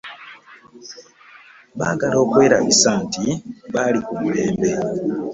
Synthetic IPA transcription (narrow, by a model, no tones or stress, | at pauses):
βa̰ɡalo̞ːkweːɾa̰βisaːntiβalikumuleːmbe